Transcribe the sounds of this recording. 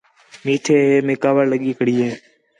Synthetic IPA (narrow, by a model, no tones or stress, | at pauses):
miːʈʰeːɦeːmeːkaːʋəɾləɠiːkʰəɽiːeː